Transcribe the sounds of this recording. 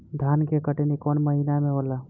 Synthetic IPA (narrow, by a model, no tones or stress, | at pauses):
d̪ʱaːnkekəʈenikɔːnməɦinamẽɦola